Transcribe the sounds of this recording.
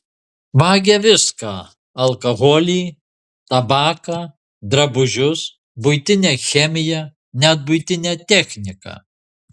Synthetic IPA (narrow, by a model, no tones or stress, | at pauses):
ʋɑːɡʲɛʋʲɪskɑː | ɐlˠkɐɣoːlʲiː | t̪ɐbɑːkɑː | d̪ɾɐbʊʒʲʊs | bʊɪt̪ʲɪnʲɛːxʲɛmʲɪjɛ | nʲɛt̪̚bʊɪt̪ʲɪnʲɛt̪ʲɛxʲnʲɪkɑ̰ː